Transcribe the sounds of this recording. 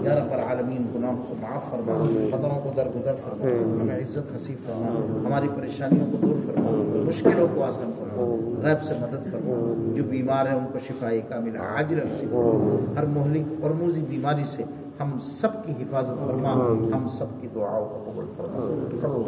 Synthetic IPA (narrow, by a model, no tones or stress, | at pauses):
jaːɾɐbəɾaːləmiːnɡʊnaːɦõkomɐaːfːɐɾmaːxɐt̪ɾõkod̪ɐɾɡʊzəɾfɐɾmaaɦɐmẽɪzːət̪ɦɐsiːd̪fɐɾmaːɦɐmaːɾipɐɾeːʃaːnijõkod̪uːɾfɐɾma̰mʊʃkɪlõkoaːsɾəmfɐɾmaaɣɛːbsemɐd̪əd̪fɐɾmad͡ʒoːbiːmaːɾɦɛ̃ʊnkoʃɪfaːikaːmɪl̰a̰ːd͡ʒɪlnɐsiːbfɾaɦɐɾmʊɦlɪkpɐɾmuːzibiːmaːɾise | hɐmsɐbkiɦɪfaːzət̪fɐɾmaːhɐmsɐbkid̪ʊa̰ːõkokɐbəlfɐɾma